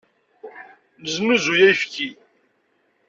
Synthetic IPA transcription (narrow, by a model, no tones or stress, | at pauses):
nəzməzujæjfki